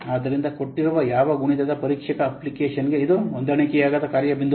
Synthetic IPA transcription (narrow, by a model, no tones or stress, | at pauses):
aːd̪ɐɾind̪ɐko̞ʈːiɾuʋɐjaːʋɐɡuɳid̪ɐd̪ɐpɐɾiːkʂɐkɐːplikeːʃɐnɡeid̪uʋond̪ɐɳikɛjaːɡɐd̪ɐkaːɾjɐbind̪